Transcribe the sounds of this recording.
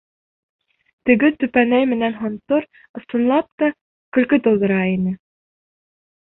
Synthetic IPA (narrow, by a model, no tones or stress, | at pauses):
t̪ɘ̆ɡɘt̪ɵ̆pænæjmɘ̆nænɦŏnt̪oɾ | ɤ̆sɤ̆nlˠɑp̚t̪ɑ | kɵ̆lkɵt̪ŏlˠd̪ɤ̆ɾɑinɘ